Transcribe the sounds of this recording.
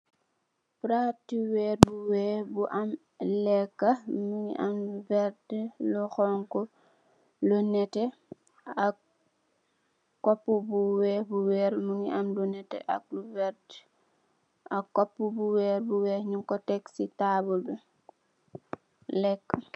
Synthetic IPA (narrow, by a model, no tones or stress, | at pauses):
pɾatiwɛːɾbuwɛːbuʔam | lɛkːamuŋḭʔa̰mvɛɾdlɔxɔŋkɔ | lɔnɛtɛ | ak | kɔpːubuwɛːbuwɛːɾmuŋḭʔamlunɛtɛ̰ʔa̰k̚luvɛɾd | akːɔpːubuwɛːɾbuwɛːɲuŋkɔtɛksitaːbulbu | lɛkːa